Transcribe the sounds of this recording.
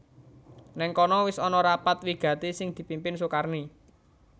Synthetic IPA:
nɛŋkɔnɔwɪsɔnɔɾapat̪wiɡ̥ä̤t̪isɪŋd̪̥i̤pimpɪnsukarni

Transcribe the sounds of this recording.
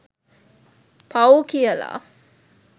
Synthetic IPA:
pʰɐwkijɐla̰ː

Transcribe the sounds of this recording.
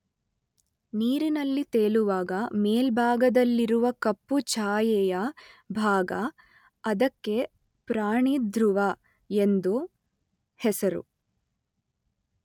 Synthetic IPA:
niːɾinɐlːit̪eːluʋaːɡɐmeːlbʱaːɡɐd̪ɐlːiɾuʋɐkɐpːut͡ʃaːjɛjɐbʱaːɡɐ | ɐd̪ɐkːe̞ | pɾaːɳid̪ɾuʋɐ | e̞nd̪u | hɛsɐɾṵ

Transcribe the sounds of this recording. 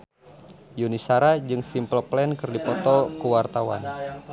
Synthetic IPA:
junisaɾad͡ʒɨŋsimpəlplɛnkɨrdipɔt̪ɔkuwart̪awa̰n

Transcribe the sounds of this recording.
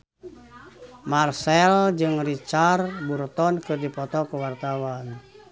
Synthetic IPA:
marsɛld͡ʒɨŋrit͡ʃarburt̪ɔnkɨrdipɔt̪ɔkuwart̪awan

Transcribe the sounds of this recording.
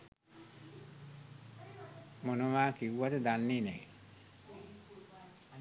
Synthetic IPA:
monumaːkiwːat̪ed̪anːinḛ

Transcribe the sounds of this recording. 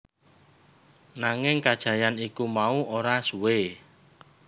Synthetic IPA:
naŋɪŋkad̥ʒ̥a̤janikumauʔoɾasuwe

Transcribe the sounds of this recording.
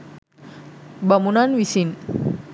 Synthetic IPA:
bamunanʋisin

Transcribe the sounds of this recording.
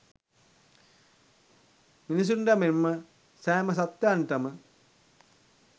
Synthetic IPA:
minis̬uɳɖɐmemːə | sæːməs̬at̪jaːɳʈɐmə

